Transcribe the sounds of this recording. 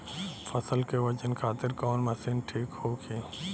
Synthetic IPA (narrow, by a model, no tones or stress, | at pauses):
fʰɐsəlkeʋɐd͡ʒənkʰaːt̪ɪɾkɔːnmɐsɪnʈʰiːkhoːkʰeː